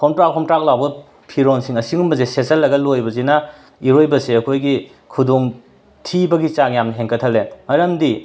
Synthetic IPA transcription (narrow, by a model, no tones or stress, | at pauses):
kʰɔntɾak̚pʰɔmtɾak̚lawbɐ | pʰiɾonsiŋɐsiŋumbɐzesesɐlːɐɡɐlojbɐzenɐ | iɾojbɐseɐkʰojɡi | kʰudoŋ | tʰibɐɡit͡ʃaŋjamnɐɦeŋkʰɐtʰɐlemɐɾɐmdi